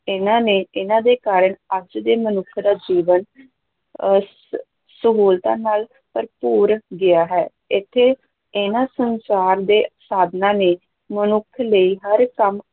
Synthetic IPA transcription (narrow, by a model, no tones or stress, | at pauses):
ɪnãːneːɪnãːd̪eːkaːɾəɳəd͡ʒd̪eːmənʊkʰd̪aːd͡ʒiːʋən | səboːlt̪ã̰ːnaːl | pəɾpuːɾɡɪjaːɦɛː | ɪt̪ʰːeː | ɪnãːsənsaːɾd̪eːsaːd̪nãːneː | mənʊkʰləiːɦəɾkəm